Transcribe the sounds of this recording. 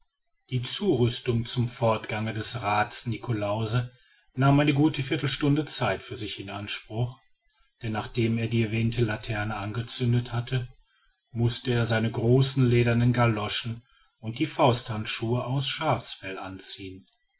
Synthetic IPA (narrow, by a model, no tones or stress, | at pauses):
d̥iːt͡suːʁʏstʊŋt͡sʊmfɔɐtɡ̥aŋədɛsʁaːtsnikʰolaʊzə | naːmʔaɪnəɡuːtəfɪɐtl̩ʃtʊndət͡saɪtfyːɐzɪçɪnʔanʃpʁ̥ʊχ | d̥ɛnːaːχd̥eːmeːɐdiːɛɐvɛːntʰəlatʰɛɐnəʔanɡət͡sʏndəthatʰə | mʊstəeːɐzaɪnəɡʁoːsn̩leːdɐnenɡalɔʃn̩ | ʊnt̚d̥iːfaʊsthantʃuːəʔaʊsʃaːfsfɛlʔa̰nt͡siːən